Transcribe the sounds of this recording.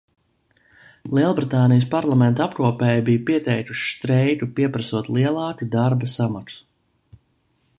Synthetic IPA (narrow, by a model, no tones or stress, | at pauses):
lˠiɛlˠbɾit̪aːnijəspaɾlˠamɛnt̪apkuɔpɛːjbijupiɛt̪ɛjk̪u̥ʃst̪ɾɛjt̪upiɛpɾɐsuɔt̪lˠiɛlˠɑːkud̪aɾbasamaks